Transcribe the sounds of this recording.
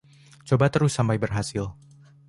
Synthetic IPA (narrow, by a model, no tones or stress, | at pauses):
t͡ʃobat̪əɾʊsːampajbərɦasɪl